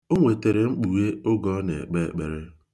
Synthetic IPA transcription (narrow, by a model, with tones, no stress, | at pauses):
o˦ŋʷe˨te˨ɾe˨ŋ͡m̩˦k͡pu˨we˦ʊ˦ɡɔ˦nḛ˨k͡pe˦k͡pḛ˨ɾe˦